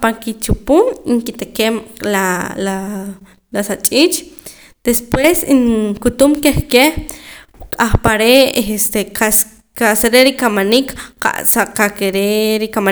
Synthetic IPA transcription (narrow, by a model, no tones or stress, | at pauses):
paŋkit͡ʃupuŋiŋkit̪ekemlala | lasat͡ʃʼiːt͡ʃʼ | d̪̥espwesiŋkut̪umkeχkeh | kʼaχpaɾeest̪eas | kaʔseɾeɾikamanikqa̰ʔsaqakeɾeɾikama